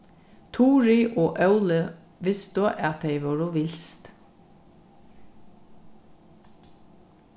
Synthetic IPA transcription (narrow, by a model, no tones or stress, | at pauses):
t̪ʰuːɹiʔoːʔœʉlə | ʋɪst̪oʔɑt̪̚d̪eɪʋɑːɹʊʋɪlst̪